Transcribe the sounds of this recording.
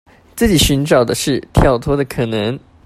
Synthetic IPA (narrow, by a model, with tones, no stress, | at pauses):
t͡sɹ̩˥˩t͡ɕi˨˩ɕy˧˥nʈ͡ʂɑ˨˩ʊd̪ə˦ʂɻ̩˥˩t̪ʰjɑ˥˩ʊt̪ʰwɔ˥d̪ə˨kʰɤ˨˩nə˧˦˥ŋ